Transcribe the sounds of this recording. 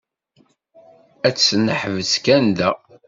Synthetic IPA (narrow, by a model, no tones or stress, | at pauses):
æt͡sːnəħvəskænd̪æ